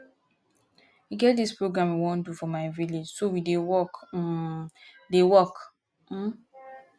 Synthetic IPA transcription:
wiɡɛt̚dispɹoɡɹãmiwõndufɔmaɪviled͡ʒsowidewɔk̩ | dewɔk | m̩

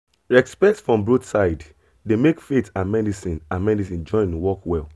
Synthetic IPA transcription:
ɹɛkspɛktsfɹɔ̃mbɹodsaɪd | demekfetãnmɛdisĩnãnmɛdisĩnd͡ʒɔ̃ɪ̃niwɔkwɛl

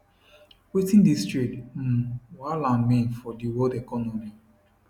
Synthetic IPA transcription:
witĩndistɹikm̩walãnmĩnfɔdiwɔdɛkɔnomi

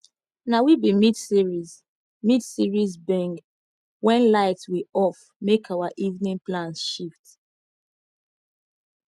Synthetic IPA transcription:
nawibimidsiɹiz | midsiɹizbɛ̃ŋɡ | wɛ̃nlaɪtswiɔf | mekʰawaʔivnĩnplãnsʃift

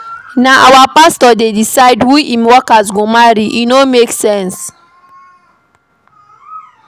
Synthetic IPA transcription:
naʔawapastɔdedisaɪdwiʔimwɔkazɡomaɾiʔinomeksɛ̃ns

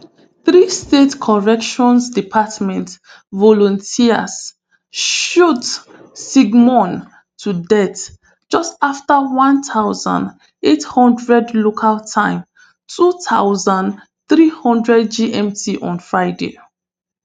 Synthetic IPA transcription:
θɹistetkʰɔɹɛkʃɔ̃nsdipʰatmɛ̃nt | vɔlɔ̃ntʰiə̰s | ʃut | siɡmɔ̃n | tʰudɛt | d͡ʒɔstaftawãntʰaʊzã̰nd | ethɔ̃ndɹɛdlokʰaltʰãɪ̃m | tʰuθʰaʊzãnd | θɹihɔ̃ndɹɛd̚d͡ʒiʔɛ̃mtʰiʔɔ̰̃nfɹaɪdḛ

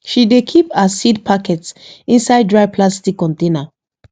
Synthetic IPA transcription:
ʃidekʰipasid̚pʰakɛtsĩnsaɪddɹaɪpʰlastikːɔ̃ntẽna

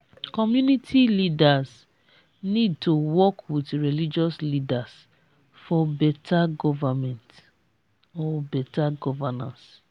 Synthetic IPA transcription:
kɔmjunitʰilidas | nid̚tʰowɔkwitɹilid͡ʒɔslidas | fɔbɛtʰaɡɔvamɛ̃nt | ɔbɛtaɡɔvanã̰ns

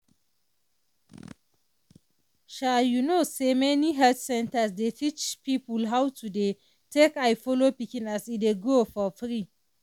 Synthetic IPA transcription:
ʃajunosemɛniɦɛldsɛ̃ntɐsdetit͡ʃpipulɦawtude | tekajfɔlopikinasideɡofɔfɾi

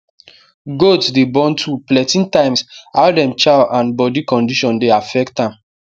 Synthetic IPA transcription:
ɡotsdebɔ̃ntʰuplɛtĩntãɪ̃msaldɛ̃mt͡ʃalʔãnbɔdikɔ̃ndiʃɔ̃ndeafɛktãm

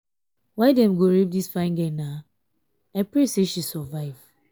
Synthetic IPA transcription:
waɪdɛ̃mɡoɾep̚disfãɪ̃nɡɛna | aɪpɾeseʃisɔvaɪv

